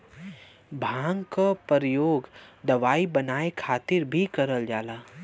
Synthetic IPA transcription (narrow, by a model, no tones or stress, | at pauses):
bʱãːŋɡkapəɾjoːɡd̪ɐʋaːibɐnaːekʰaːt̪ɪɾbʱikɐɾəld͡ʒaːlaː